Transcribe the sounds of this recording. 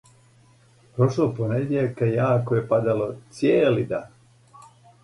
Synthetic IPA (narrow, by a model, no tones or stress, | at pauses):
pɾoʃloponeɡjekajaːkojepad̪alot̪sjeːlid̪a